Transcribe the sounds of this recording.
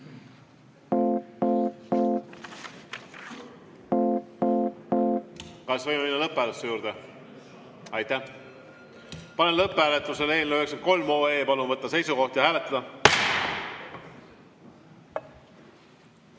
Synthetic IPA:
kɑsvɤjmeminːɑlɤpːæːlsejuːɾd̪e | ɑjt̪ːæh | pɑnenlɤpːˑhæːlet̪ːˑuseleːlmøheksent̪̚ko̞lmo̞ːeːpɑlumvɤt̪ːɑse̞jsuko̞ht̪jɑhæːle̞t̪ːˑɑd̪̥ɑ

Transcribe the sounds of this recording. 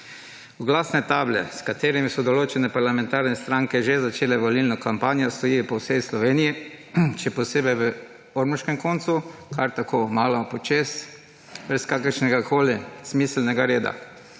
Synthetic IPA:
uɡlaːsnɛt̪aːblɛ̰skat̪eːɾimisɔd̪ɔloːt͡ʃɛnɛpaɾlamɛ̃nt̪aːɾnɛst̪ɾaŋkɛʒezat͡ʃeːlɛʋɔlilnɔkampaːnjɔst̪ɔjiːpɔwseslɔʋeːnijiʃɛpɔseːbɛjʋə | oɾmuʃkɛmkoːnt̪sukʰaɾt̪akʰoːmaːlɔpɔt͡ʃes | bɾɛskaːkəɾʃnɛɡakʰoːlismiːslnɛɡaɾeːd̪a̰

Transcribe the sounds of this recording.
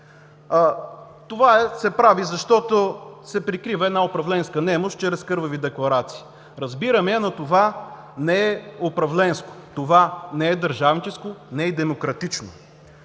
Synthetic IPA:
t̪ovaɛsɛpɾavizɐʃt̪ɔt̪osɛpɾikɾivɐɛd̪naopɾɐvlɛnskənɛmoʃtt͡ʃɛɾɛskɤɾvɐvid̪ɛklˠɐɾat̪si̥ː | ɾɐzbiɾɐmɛɐnɐt̪ova | nɛɛopɾɐvlɛnsko̥t̪ovanɛɛd̪əɾʒavnit͡ʃɛskonɛɛd̪ɛmokɾɐt̪it͡ʃno

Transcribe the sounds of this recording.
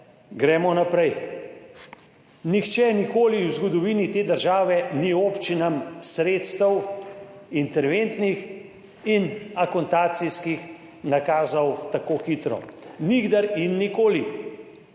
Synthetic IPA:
ɡɾɛːmɔnapɾɛj | nixt͡ʃɛnikoːliwzɡɔd̪ɔʋiːnit̪eːd̪əɾʒaːʋɛnioːpt͡ʃinamsɾeːt̪st̪əw | int̪ɛɾʋent̪nix | inakɔnt̪aːt̪siskix | nakaːzɔwt̪akoːxit̪ɾɔ̰niɡd̪aɾinːikoːli

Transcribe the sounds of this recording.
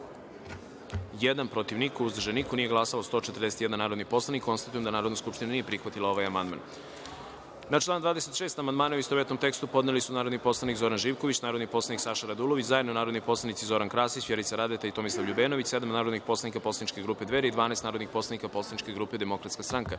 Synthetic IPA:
jed̪anpɾot̪iʋnikuuzd̪ɾ̩ʒenikonije̞ɡlˠasalost̪o̞ːt͡ʃet̪əɾd̪eset̪jɛd̪anaːɾo̞d̪nipo̞slˠanikːo̞nst̪at̪ujemd̪anaːɾod̪naskupʃt̪inanijepɾixʋat̪ilˠao̞ʋajamand̪ma̰ːn | nat͡ʃlaːnd̪ʋaːd̪ese̞t̪ʃeːst̪amand̪maːnauist̪oʋet̪nomt̪e̞kst̪upo̞d̪nelisunaːɾod̪nipo̞slˠanikzo̞ɾanʒiːʋko̞ʋit͡ɕnaːɾod̪niposlˠaniksaʃaɾad̪uloʋit͡ɕzaje̞d̪nonaːɾo̞d̪nipo̞slanit̪izo̞ɾankɾaːsit͡ɕʋjeɾit̪saɾad̪et̪ait̪o̞mislˠaʋʎubeːno̞ʋit͡ɕsed̪amnaːɾod̪nixpo̞slˠanikapo̞slanit͡ʃkeɡɾuːped̪ʋeɾeid̪ʋaːnaɛsnaːɾod̪nixpo̞slanikapo̞slˠanit͡ʃke̞ɡɾuːped̪e̞mo̞kɾat̪skast̪ɾaŋka

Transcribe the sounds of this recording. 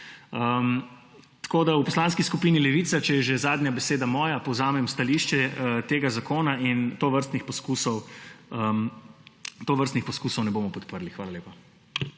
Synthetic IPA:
əm | t̪ḁkoːd̪aupɔslaːnskiskupiːnilɛʋiːt̪sat͡ʃɛjɛʒɛzaːd̪ɲjabɛseːd̪amɔːjapɔwzaːmɛmst̪aliʃt͡ʃɛt̪eːɡazakoːnaint̪oːʋəɾst̪nixpɔskusɔwəm | t̪oːʋəɾst̪nixpɔskuːsɔwnɛboːmɔpɔt̪pəɾlixʋaːlaleːpa

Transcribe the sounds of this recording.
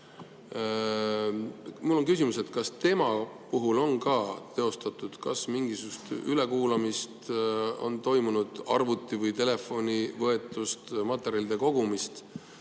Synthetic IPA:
mulːo̞ŋkys̬ʲimuse̞t̪kɑst̪e̞mɑ | puɦulo̞nkɑt̪e̞o̞st̪ɑt̪ːˑud̪̥kɑsmiŋɡisu̥ust̪yle̞kuːlɑmist̪o̞̰nt̪o̞jmunud̪̥ɑrvut̪ːˑivɤjt̪e̞le̞fo̞nʲivɤ̞e̞t̪ːˑust̪mɑt̪ːˑeɾjɑlid̪̥e̞ko̞ɡumist̪

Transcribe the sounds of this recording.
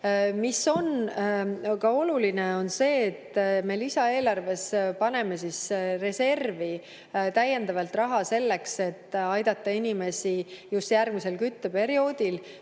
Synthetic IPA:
miso̞n | kɑo̞lulineo̞nse̞ːt̪ːme̞lisɑe̞ːlɑrve̞spɑne̞me̞sisre̞se̞rvi | t̪æjːe̞nd̪ɑvɑlt̪rɑɦɑse̞lːe̞kse̞t̪ːˑɑjd̪̥ɑt̪ːɑinime̞sijust̪jærɡ̥mise̞lkyt̪ːøpe̞ɾio̞ːd̪̥il

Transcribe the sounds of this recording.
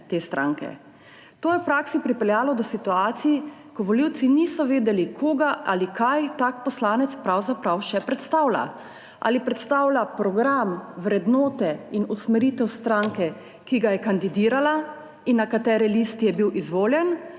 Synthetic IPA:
t̪eːst̪ɾa̰ːŋkɛ̰ | t̪oːjɛwpɾaːksipɾipɛljaːlɔd̪ɔsit̪uaːt̪sijikɔʋɔliwt̪siniːsɔʋeːd̪ɛlikʰoːɡaʔa̰likʰajt̪akpɔslaːnɛt̪spɾawzapɾawʃɛpɾɛt̪st̪aːwla̰ | ʔa̰lipɾɛt̪st̪awlapɾɔɡɾamʋɾɛd̪noːt̪ɛinusmɛɾit̪ɛwst̪ɾaŋkɛ | kiɡajɛkand̪id̪iːɾala | inːakat̪ɛːɾɛlist̪ijɛbiwʔizʋoːljɛn

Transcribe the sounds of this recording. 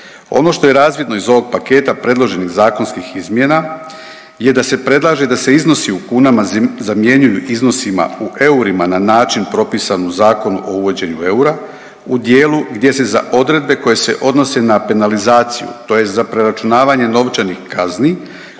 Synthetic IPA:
o̞̰no̞ʃt̪o̞je̞ɾaːzʋjed̪no̞izo̞ʋo̞ɡ̚pake̞ːt̪apɾe̞d̪lˠo̞ʒe̞niɣzaːko̞nskixizmjena | je̞d̪ase̞pɾe̞d̪lˠaːʒe̞d̪ase̞izno̞siukuːnamazamje̞ɲujuʔizno̞sima̰uʔe̞uɾimananaːt͡ʃinpɾo̞piːsanuzaːko̞nuʔo̞uʋo̞d͡ʑe̞ɲue̞uɾa | ud̪je̞ːluɡd̪je̞se̞za̰ʔo̞d̪ɾe̞d̪̚be̞ko̞je̞se̞̰ʔo̞d̪no̞se̞nape̞nalizaːt̪sijṵt̪o̞je̞st̪zapɾe̞ɾat͡ʃunaːʋaɲe̞no̞ʋt͡ʃanixkazni

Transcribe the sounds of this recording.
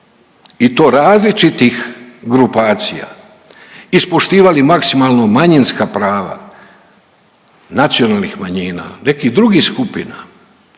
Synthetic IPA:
it̪o̞ːɾaːzlit͡ʃit̪ixɡɾupaːt̪sija̰ | ispoʃt̪iːʋalimaksimalˠnomaɲinskapɾaːʋa̰ | nat̪sio̞nalˠnixmaɲiːna̰ne̞kid̪ɾuɡiskupina

